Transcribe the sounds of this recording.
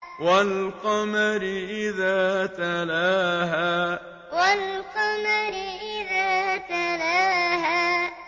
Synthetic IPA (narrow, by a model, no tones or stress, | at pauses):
walqɑmaɾɪʔɪðaːt̪alaːɦaː | walqɑmaɾɪʔɪðaːt̪alaːɦaː